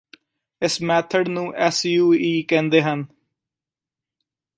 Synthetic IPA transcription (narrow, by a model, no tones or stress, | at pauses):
ɪsmɛːt̪ʰəɖnũːʔɛːsjuːiːkɛ̃ːnd̪eːɦən